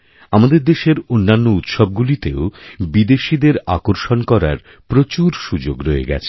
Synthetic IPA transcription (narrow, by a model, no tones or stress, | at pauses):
amad̪eɾd̪eʃeɾonːanːout̪ʃɔb̚ɡulit̪eobid̪eʃid̪eɾa̰koɾʃonkɔɾa̰ɾ | pɾot͡ɕuɾʃud͡ʑoɡɾoḛɡɛ̰t͡ɕʰe̥